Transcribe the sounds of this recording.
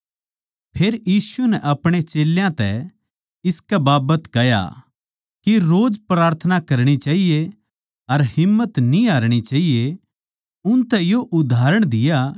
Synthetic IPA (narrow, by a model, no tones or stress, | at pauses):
pʰeːɾjiːsunɛʔɐpɽ̃et͡ʃeːljãt̪ɛ̰ | ɪskɛbaːbət̪kɐja̰ | kiɾoːd͡ʒpɾaːɾt̪ʰənakɐɾɽ̃it͡ʃaːɦije | ɐɾhɪmːət̪nĩaːɾɽ̃it͡ʃaːɦije | ʊnt̪ɛjoʔʊd̪ʱaːɾəɽ̃d̪ɪja